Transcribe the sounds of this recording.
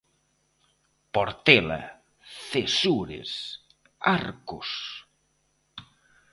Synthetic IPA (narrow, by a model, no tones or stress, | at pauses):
poɾt̪ɛla̰ | θesuɾḛs | aɾkʊs